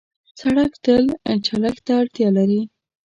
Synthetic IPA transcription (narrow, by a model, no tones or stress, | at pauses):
saɽakt̪əlt͡ʃaɽakt̪aːɽt̪jɑlaɾi